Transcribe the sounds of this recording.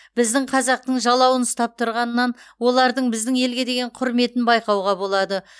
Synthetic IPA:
b̥ɪzd̪ɪɴqʰɑzɑq̚t̪əɴʒɑlˠɑwənst̪ɑp̚t̪ʰʊɾʁɑnːɑnwo̞lˠɑɾd̪əɴbɪzd̪ɪŋje̞lɡʲe̞d̪e̞ɡʲe̞ɴqʰʊɾme̞t̪ɪnbɑjqɑwʁɑbo̞lˠɑd̪ə

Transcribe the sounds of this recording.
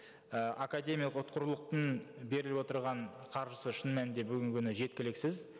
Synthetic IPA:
əʔakad̪e̞mijalˠəqʊt̪̚qəɾlˠəq̚t̪əɴbe̞ɾɪlɪpwo̞t̪əɾʁɑɴqʰɑɾʒəsəʃənmænɪnd̪e̞bʏɡʲɪŋkʲʰʏnɪʒe̞t̪̚kʲɪlɪksɪz

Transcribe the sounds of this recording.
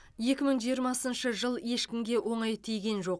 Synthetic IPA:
je̞kʲɪməɴʒijəɾmɑsənʃəʒəlˠje̞ʃkʲɪmɡʲe̞wʔo̞ɴɑjt̪ʰijɡʲe̞nʒo̞q̚

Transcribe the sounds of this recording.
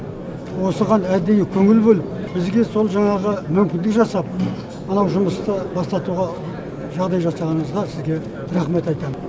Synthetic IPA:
wo̞səʁɑnæd̪ejɪkʲʰɵŋɪlbolɪp̚bɪzɡʲe̞so̞lˠʒɑŋɑʁəmʏmkʲɪnd̪ɪkʒɑsɑp̚ | mənɑwʒʊməst̪əbɑst̪ɑt̪uʁɑ | ʒɑʁd̪ɑjʒɑsɑʁɑnəɴəzʁɑsɪzɡʲe̞ | ɾɑχme̞t̪ɑjt̪ɑmən

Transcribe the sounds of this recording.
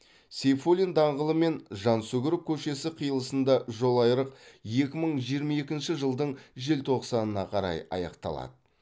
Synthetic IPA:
sefolʲind̪ɑɴʁəlˠəme̞nʒɑnsɵɡʲɪɾɪp̚kʲʰɵʃe̞sɪqʰijəlˠəsənd̪ɑʒo̞lˠɑjɾəqje̞kʲɪməɴʒijəɾmɑe̞kʲɪnʃɪʒəlˠd̪əɴʒe̞lt̪ʰo̞qsɑnənɑqʰɑɾɑ̰jɑ̰jɑ̰qt̪ɑ̰lˠɑ̰d̪ə

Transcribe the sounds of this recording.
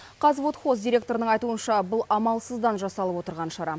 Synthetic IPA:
qʰɑzvot̪χosd̪ijɾʲe̞k̚t̪o̞ɾənəɴɑjt̪uənʃɑbʊlˠɑmɑlˠsəzd̪ɑnʒɑsɑlˠəpwo̞t̪əɾʁɑnʃɑɾɑ

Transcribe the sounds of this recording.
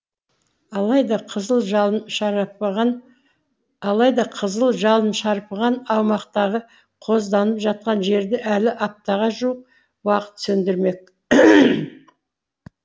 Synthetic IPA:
ɑjd̪ɑqʰəzəlˠʒɑnʃɑp̪ | ɑlˠɑjd̪ɑqʰəzəlˠʒɑlˠənʃɑɾpəʁɑnɑwmɑqt̪ɑʁə | qʰo̞zd̪ɑnəpʒɑt̪̚qɑnʒe̞ɾd̪ɪʔælɪʔɑp̚t̪ɑʁɑʒuəq̚ | wɑqə̥t̪sɵnd̪ɪɾme̞k̚

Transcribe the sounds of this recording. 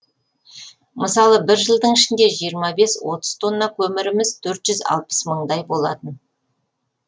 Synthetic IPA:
məsɑlˠəbɪɾʒəlˠd̪əɴɪʃɪnd̪e̞ʒijəɾmɑbe̞swo̞t̪əz̥t̪ʰo̞nːɑkʲʰɵmɪɾɪmɪzt̪ʰɵɾt̪ʒ̥ʏzɑ̰lˠpə̥sməɴd̪ɑjbo̞lˠɑ̰t̪ən

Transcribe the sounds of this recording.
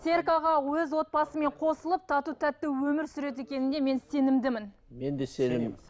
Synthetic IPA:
se̞ɾkɑʁɑwɵzwo̞t̪̚pɑsəme̞ɴqʰo̞səlˠəp̚t̪ʰɑt̪ut̪ʰæt̪ːɪwɵmɪɾsʏɾe̞t̪̬e̞kʲe̞nɪnd̪e̞me̞nse̞nɪmd̪ɪmɪn | mend̪esenɪm

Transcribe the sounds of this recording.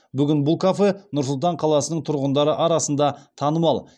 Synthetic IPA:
bʏɡʲɪnbʊlˠkʰafenʊɾs̬ʊlˠt̪ɑɴqʰɑlˠɑsənəɴt̪ʰʊɾʁənd̪ɑɾəʔɑɾɑsənd̪ɑt̪ʰɑnəmɑlˠ

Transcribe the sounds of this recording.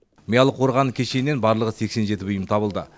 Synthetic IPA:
mijɑlˠəqʰo̞ɾʁɑnəkʲʰeʃe̞jne̞nbɑɾlˠəʁəse̞kse̞nʒe̞t̪ɪbʏjəmt̪ʰɑbəlˠd̪ə̰

